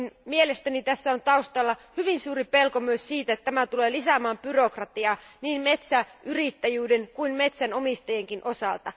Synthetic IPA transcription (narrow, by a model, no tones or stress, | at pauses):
nmielest̪ænit̪æsːæont̪ɑust̪ɑlːɑhyʋinsuːripe̞lkomyøssiːt̪æet̪ːt̪ːæmæt̪uleːlisæmæːmpyro̞krɑt̪iɑːniːmmet̪sæʔyrit̪ːæjyːdeŋkuinmet̪sænomist̪ɑjeŋkinʔo̞sɑ̰lt̪ɑ